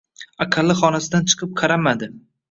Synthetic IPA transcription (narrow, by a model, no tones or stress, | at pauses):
aqʰɨlːɪχɒnasɪd̪ant͡ʃʰɨ̥qʰɨp̚qʰɑɾamad̪ɪ